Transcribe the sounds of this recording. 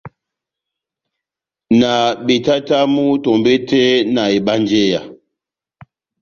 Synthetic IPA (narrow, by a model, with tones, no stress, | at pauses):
na˨ɓe˨ta˦ta˦mu˦tɔ˨mbe˦tɛ˦na˨e˨ɓa˦n˦d͡ʒe˦ja˨